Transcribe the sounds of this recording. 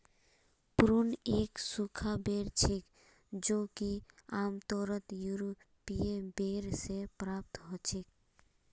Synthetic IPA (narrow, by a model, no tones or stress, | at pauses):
pɾuneːksukʰabeɾt͡ʃʰek | d͡ʒokiaːmt̪ɔːɾət̪juɾo | pijebeɾsepɾaːp̚t̪ɦot͡ʃʰek